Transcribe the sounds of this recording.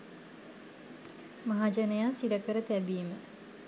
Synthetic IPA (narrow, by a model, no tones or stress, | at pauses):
maɦad͡ʒənəjaːsiɖəkəɾət̪æbiːmə